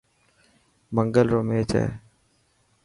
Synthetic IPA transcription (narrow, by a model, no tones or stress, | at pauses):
məŋɡəlɾoːmeːt͡ʃɛ̰ː